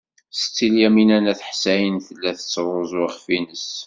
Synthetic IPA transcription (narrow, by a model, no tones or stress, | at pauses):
sə̥t͡sːiljæminænæθħsæjənθəlːæθət͡sːɾˤozˤʁfinəs